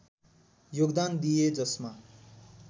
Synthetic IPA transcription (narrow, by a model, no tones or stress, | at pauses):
joɡd̪and̪ijed͡zʌsma